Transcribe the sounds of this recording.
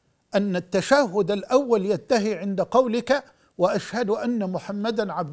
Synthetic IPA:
ʔanːat̪ːaʃaɦʊd̪alʔawːaljat̪ːaɦiʕɪnd̪aqɑwlɪka | waʔaʃhad̪ʔanːamʊħamːad̪anʕab̚d̪

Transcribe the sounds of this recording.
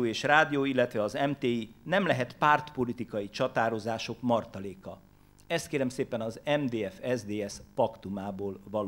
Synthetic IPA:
eːʃraːd̪ijoːilːɛt̪ʋɛɒzɛmt̪eːinɛmlɛɦɛt̪paːrt̪po̞lit̪ikɒjit͡ʃɒt̪aːɾo̞zaːʃo̞kmɒrt̪ɒleːkɒ | ɛst̪keːɾɛmseːpɛnɒzɛmd̪eːɛfɛzd̪eːɛspɒkt̪umaːboːlvɒl

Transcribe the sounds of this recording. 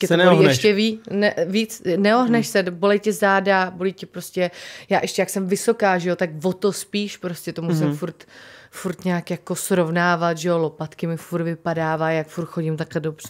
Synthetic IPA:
ɛtonoiɛʃcɛviːnɛviːt͡snɛoɦnɛʃsɛbo̞lɛjcɛzaːdabo̞lijcɛpɾo̞scʲɛjaːʔɛʃcɛjaksɛmvɪso̞kaːʒɛjot̪akvo̞t̪o̞spiːʃpɾo̞scʲɛt̪omusɪmfuɾt̪fuɾt̪ɲaːkjako̞sɾo̞vnaːvat̪ʒɛo̞lopat̪kɪmɪfuɾt̪vɪpadaːvaːjakfuɾt̪xo̞ɟɪmt̪aklɛdo̞br̝̥ɛ

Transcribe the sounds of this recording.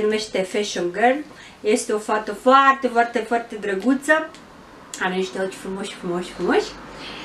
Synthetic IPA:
numeʃt̪efeʃoɡər | jest̪eofat̪əfoart̪efwart̪efwart̪ed̪ɾəɡut̪sə | aɾeniʃt̪eot͡ʃfɾumoʃʲfɾumoʃʲfɾumoʃʲ

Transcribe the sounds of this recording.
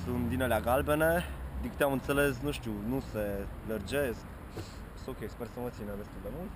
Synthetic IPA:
sunt̪̚d̪inəleaɡalbened̪ikt̪eamɨnt̪seles̬nuʃt̪unuselərd͡ʒesk | sokʲespɛrsəmət̪sinəd̪est̪uld̪emult̪

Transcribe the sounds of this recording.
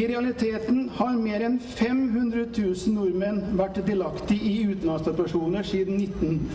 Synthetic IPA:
ɪɾɛɑlɪt̪ʰeːt̪n̩hɑɾmeːɾɛnfɛmɦʉnd̪ɾət̪ʰʉːsən̩nʊɾmənʋæʈːd̪ɪlɑkt̪ɪɪʉːt̪n̩lɑnst̪ɑpæʂuːnəʂiːd̪n̩nɪt̪ːn

